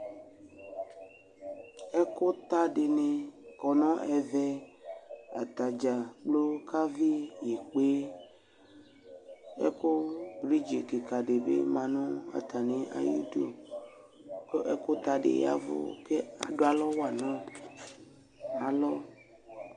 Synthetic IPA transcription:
ɛ˦ko˦t̪a˦ɖe˨nẽ˨kɔ˨nɔ̃˦ʔɛ˨vɛ˦ | a̰˨t̪a˨d͡ʒa˨k͡plo˦ka˦vi˦je˨k͡pe˦ | ḛ˦ko˦bɾi˦d͡ʒe˨ke˨ka˨ɖe˨bḛ˦mã˨nɔ̃˦a̰˨t̪a˨nẽ˨ʔa̰˨jṵ˦do˨ | ko˦ʔe˦ko˦t̪a˨ɖḛ˨ja̰˦vo̰˦ke˦a̰˨ɖo˦a˨lɔ˦wo˦a˨nã˦ | a˨lɔ˦

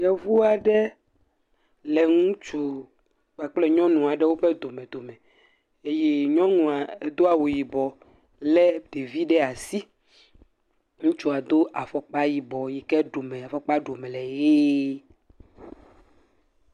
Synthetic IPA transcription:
jɛ˨vu˦a˨ɖɛ˦ | lɛ˨ŋũ˦t͡ʃu˦ | k͡pa˨k͡plɛ˦ɲɔ̃˦nũ˨a˨ɖɛ˦wo˦ɸɛ˦d̪o˨mɛ̃˨d̪o˨mɛ̃˨ | e˦je˦ɲɔ̃˦nũ˨a˨ɛ˨d̪o˦a˨wo˨ji˨bɔ˨ | lɛ˦ɖ̪̥e˨vi˦ɖɛ˦a˨si˦ | ŋũ˦t͡ʃu˦a˨d̪o˦ʔa˨fɔ˨k͡pa˦ji˨bɔ˨ji˨kɛ˦ɖo˨mɛ̃˨a˨fɔ˨k͡pa˦ɖo˨mɛ˨lɛ˨je˦

